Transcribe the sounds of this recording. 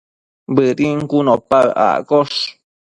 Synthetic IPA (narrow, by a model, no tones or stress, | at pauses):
bɨɾiŋkunõpaʔa̰koʂ